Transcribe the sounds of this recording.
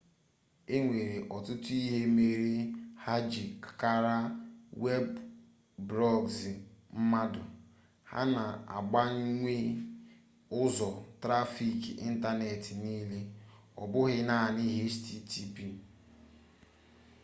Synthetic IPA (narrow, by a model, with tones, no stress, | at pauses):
e˦ŋʷe˨ɾe˨ʔɔ˨tʊ˦tʊ˦i˦ɦe˦me˨ɾi˦ha˦d͡ʒi˨kka˦ɾa˦we˦b | bɾɔ˦ɡzm̩˦ma˦dʊ˨ | ha̰˦na˨a̰˨ɡ͡ba˦ŋ̩˦ŋʷe˦ | ʊ˦zɔ˨tɾa˦fi˨kḭ˦n̩˦ta˦ne˨tɪ˨niː˦le˦ | ɔ̰˨bʊ˦ɦɪ˦na˦a˨ni˦ɦe˦sti˦tʰi˦pi˦˨